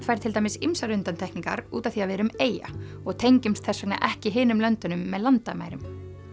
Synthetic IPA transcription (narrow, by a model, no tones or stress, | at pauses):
fajɾt̪ʰɪlt̪ajmɪsimsaɾʏnt̪ant̪ʰɛhkniŋka̰ɾuːt̪aθiavɛːɾʏmeːja̰ | ɔɣt̪ʰejɲcɪmst̪θɛsːakna̰ʔɛhcɪɦɪːnʏmlœnt̪ʏnʏmːɛðlant̪ama̰ːjɾʏm